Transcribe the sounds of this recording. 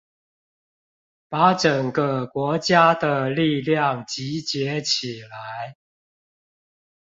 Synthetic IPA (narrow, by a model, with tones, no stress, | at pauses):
pa˨˦ʈ͡ʂə˨˩ŋɡə˦kwɔ˨˥t͡ɕja˦d̪ə˨li˥˧ljɑ˥˨ŋt͡ɕi˨˦t͡ɕjɛ˨˦t͡ɕʰi˨˩la˨˦ɪ